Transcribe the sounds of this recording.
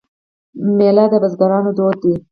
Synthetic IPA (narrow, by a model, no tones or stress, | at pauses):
melɑd̪əbazɡaɾɑnod̪od̪̚d̪i